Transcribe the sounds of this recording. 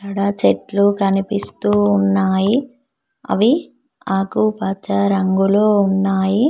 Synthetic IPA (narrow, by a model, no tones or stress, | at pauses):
ɐɽɐt͡ʃeʈlukɐnipist̪uːnːaːji | ɐ̰ʋi | aːkupɐt͡ʃːɐɾɐŋɡuloːunːaːji